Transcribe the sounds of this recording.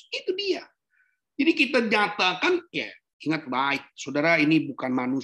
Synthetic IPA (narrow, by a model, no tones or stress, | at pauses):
it̪udia | d͡ʒadikit̪aɲat̪akanka | iŋat̪̚baɪk̚sodaɾainibukanmanu